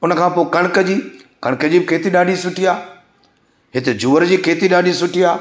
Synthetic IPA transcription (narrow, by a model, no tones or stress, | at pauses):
ʊnəkʰãːpoːɪkɐɽ̃kəd͡ʑiː | kɐɽ̃kəd͡ʑiːbɪkʰeːt̪iɗaːɗisʊʈʰiaː | ɦɪt̪ed͡ʑuːʋəɾd͡ʑiːkʰeːt̪iɗaːɗisʊʈʰiaː